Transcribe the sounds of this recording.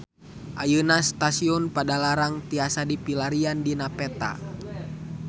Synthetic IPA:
ʔajunast̪asiɔnpadalaɾaŋt̪iasadipilaɾiandinapɛt̪a̰

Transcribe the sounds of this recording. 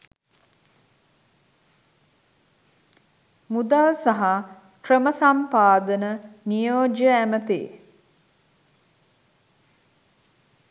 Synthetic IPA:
mud̪alsaɦa | krəməsampaːd̪ənənijoːd͡ʒəæmət̪ḛː

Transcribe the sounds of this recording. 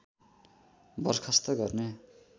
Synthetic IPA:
bʌrkʰʌst̪ʌɡʌrne

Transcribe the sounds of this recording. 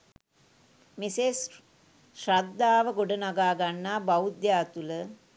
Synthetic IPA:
mises | ʃrad̪ːaːʋəɡoɖənaɡaːɡanːaːbaud̪jaːt̪ulə

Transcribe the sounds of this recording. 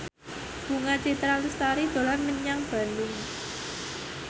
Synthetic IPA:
b̥uŋat͡ʃit̪ɾalust̪aɾid̪̥o̤lanməɲaŋb̥a̤lʊŋ

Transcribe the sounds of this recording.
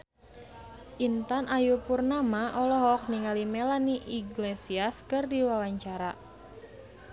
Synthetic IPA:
ʔint̪anajupurnamaʔɔlɔɦɔk̚niŋalimɛlaniʔiɡlesiaskɨrdiwawaɲt͡ʃaɾa

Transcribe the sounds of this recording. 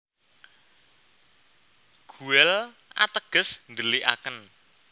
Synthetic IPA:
ɡ̥ṳɛl | ʔa̰t̪əɡ̥ə̤snd̪əliʔa̰kən

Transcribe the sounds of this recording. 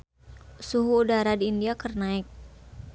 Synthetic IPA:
suɦuːdaɾadiːndiakərnaɪk̚

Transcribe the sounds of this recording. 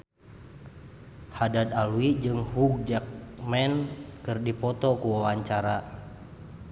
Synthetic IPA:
hadad̪aluwid͡ʒɨŋhuɡ̚d͡ʒak̚mɛnkɨrdipɔt̪ɔkuwawaɲt͡ʃaɾa

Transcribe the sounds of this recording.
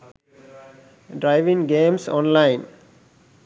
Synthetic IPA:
ɖɾaɪʋĩŋɡẽːmsɔ̃ːnlaɪ̃n

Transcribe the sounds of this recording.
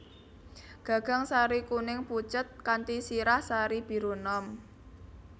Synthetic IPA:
ɡ̥ä̤ɡ̥a̤ŋsaɾikunɪŋput͡ʃət̪̚kant̪isiɾahsaɾib̥i̤ɾonɔm

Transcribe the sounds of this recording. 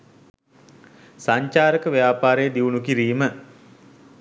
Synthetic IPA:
saɲt͡ʃaːɾəkəʋejaːpaːɾejəd̪iʋunukiɾiːmə

